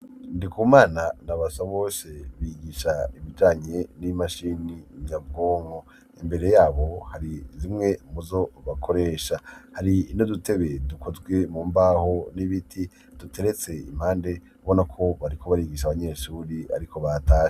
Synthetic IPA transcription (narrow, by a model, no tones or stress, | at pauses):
ndikʰumaːnanaβasaβo̞ːseβiɡiʃaiβid͡ʒaːɲe̞nimaʃiniɲab̚ɡo̞ːŋo | imbe̞ɾe̞jaːβo̞haɾizimŋe̞muzo̞βakʰo̞ɾe̞ːʃahaɾiːnodute̞βe̞dukʰo̞zɡwe̞muːmbaho̞niβitʰi | d̥utʰe̞ɾe̞t͡se̞ḭm̥haːnde̞ | βonakʰo̞βaɾikʰo̞βaɾiɡiʃaβaɲe̞ːʃuːɾia̰ɾikʰo̞βatʰaːʃe